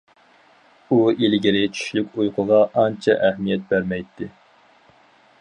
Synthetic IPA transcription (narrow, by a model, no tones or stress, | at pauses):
uilɡʲiɾɪt͡ʃʰy̥ʃlykʲujqʰʊʁɑʔɑnt͡ʃʰɛ̰ʔɛhmijɛt̪̚bæɾmɛjt̪ʰːɪ